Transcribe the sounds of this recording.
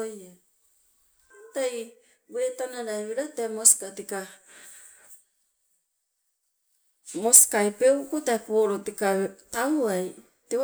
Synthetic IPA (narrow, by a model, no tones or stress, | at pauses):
ja | taj | wetanaɾaeeɾatemoskatika | moskajpewkutaepoɾotikatawaj | te